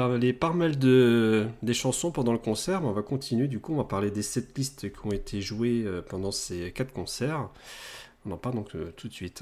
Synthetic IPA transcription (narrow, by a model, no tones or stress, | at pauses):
alepamald̪əd̪eʃɑ̃sɔ̃pɑ̃d̪ɑ̃ləkɔ̃sɛʁbɛɔ̃vakɔ̃t̪ʰinɥed̪ykuɔ̃vapaʁled̪esɛt̪list̪kʲiɔ̃et̪ʰeʒweøpɑ̃d̪ɑ̃sekat̪χkɔ̃sɛʁ | ɔ̃nɑ̃paʁld̪ɔ̃køt̪ʰut̪sɥit̪